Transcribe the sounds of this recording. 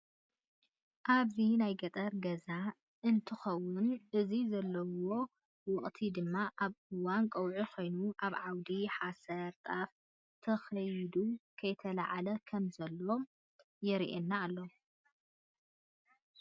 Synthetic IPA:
ʔaβzinajɡɐt̪ʼɐɾɡɐza | ʔɨnt̪ʰɨxɐwːʊnʔɨzizɐlːɐwo̞ | wɨχʼt̪ʰid̪ɨmːaʔaβɨwːankʼɐwʕukʰo̞jnuʔaβʕawd̪iħasɐɾt̪ʼaf | t̪ʰɐxɐjd̪ukʰɐjt̪ʰɐlaʕalɐkʰɐmzɐlːom | jɛɾ̰ʔenːaːlːo

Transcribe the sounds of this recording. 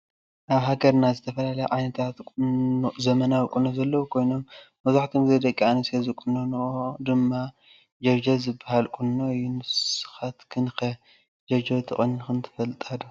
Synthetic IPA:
ʔaβɦaɡɐɾnazɨt̪ʰɐfɐlalɐjɛʕajnɐt̪ʰat̪kʼzɐmɐnawkʼunozɐlːɐwukʰo̞jno̞mː | ɐzaħt̪ʰomzɐjd̪ɐkʼːianisezɨkʼunonɨʔod̪ɨmːa | d͡ʒɐd͡ʒɐzɨbːahalkʼunːoɨjːunɨssɨ̥xat̪kʰɨnxɐ | d͡ʒɐd͡ʒot̪ʰɨχʼɨnɨxɨnt̪ʰɨ̥fɐlt̪ʼɐd̪u

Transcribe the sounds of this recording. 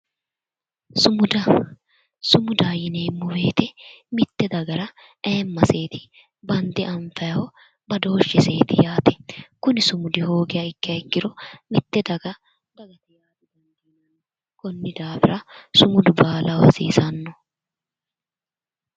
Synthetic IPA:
sʊmʊd̪ɐ | sʊmʊd̪aːjɪneːmːʊwe̞ːt̪ɛmɪt̪ːɛd̪ɐɡɐɾɐ | eːmːɐse̞ːt̪ɪ̥ | bɐnd̪ɪʔɐɱfɐjɐhɔ | bɐd̪o̞ːʃːɪse̞ːt̪ɪjaːt̪ɛ̥kʊnɪsʊmʊd̪ɪho̞ːɡɪjɐɪkːɪjɐɪkːɪd̪ɔmɪt̪ːɛd̪ɐɡɐ | d̪ɐɡɐt̪ɪjaːt̪ɪd̪ɛnɡinɐn | kɔnːɪd̪aːfɪɾɐsʊmʊd̪ʊbaːlɐwɐ̰sḭːsɐnːɔ

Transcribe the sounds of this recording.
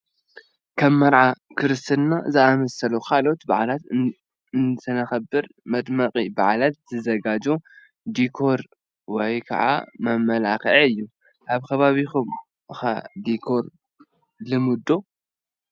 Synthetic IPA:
kʰɐmːɐɾʕakʰɨɾɨst̪ʰɨnnazɨʔamɐsɐlukʰalo̞t̪baʕalat̪ | ɨnt̪ʰɨnɐxɐbːɨɾmɐd̪mɐqʼiba̰ʕalat̪̚z̥ɨzɐɡad͡ʒo | d̪ikʰo̞ɾ | wɔjkʰɐ̰ʕa̰mɐmɐlakʕɨjːu | ʔaβkʰɐβaβixum | ɨxa̰d̪ikʰo̞ɾ | lɨmɨd̪o̞

